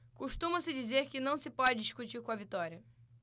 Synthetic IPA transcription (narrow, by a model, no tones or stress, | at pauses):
kuʃt̪ũmɐsɪd͡ʒizeɾkɪnɐ̃w̃sɪpɔd͡ʒɪd͡ʒiʃkut͡ʃiɾkõɐvit̪ɔɾiɐ